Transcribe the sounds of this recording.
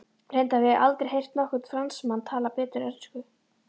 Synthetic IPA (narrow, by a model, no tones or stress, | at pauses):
r̥ejnt̪avɪa̰lt̪ɾɪɾɦejr̥t̪nɔhkʏt̪fɾansmant̪ʰaːlapɛːt̪ʏɾɛɾskʏ